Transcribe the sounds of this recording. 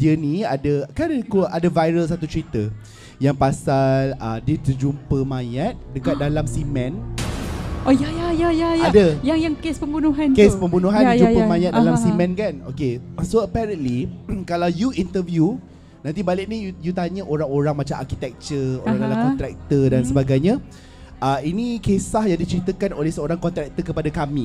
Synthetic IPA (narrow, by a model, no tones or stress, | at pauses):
d̥iənĩadəkadəkuʔadəvajɾəls̬at̪ut͡ʃɾit̪ə | jaŋpasalədit̪əd͡ʒumpəmãjat̪̚dəkat̪̚dalamsimɛ̃n | ʔojajajajajadəjaŋjaŋkespəmbunuɦankespəmbunuɦandəd͡ʒupəmãjat̪̚dalamsimɛ̃nkano̰kesoəpɛɾə̃nlikalawjuint̪əvju | nãnt̪̬ibalɪk̚nijujut̪aɲəʔoɾaŋoɾaŋmat͡ʃamʔa̰rkit̪ɛk̚t͡ʃəoɾaŋləlakɔt̪ɾɛk̚t̪ədansəbaɡajɲa | əinĩkesahjaŋdit͡ʃəɾit̪əkanolɛhsəoɾaŋkɔnt̪ɾɛk̚t̪əkəpadakamĩ